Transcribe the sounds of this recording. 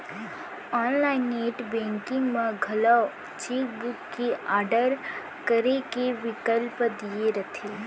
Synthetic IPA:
ɔːnlaːɪneːʈbɛ̃ːŋkɪ̃ŋɡmẽɡʱɐla | t͡ʃeːk̚bukːeaːɾɖəɾ | kəɾekeʋɪkəlpd̪ieɾɐt̪ʰe

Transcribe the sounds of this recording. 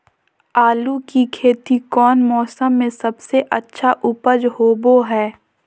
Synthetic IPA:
aːlukikʰeːt̪ikɔːnmɔːsəmːẽsɐbseʔɐtːʃʰaʔʊpəd͡ʒɦoːboɦɛː

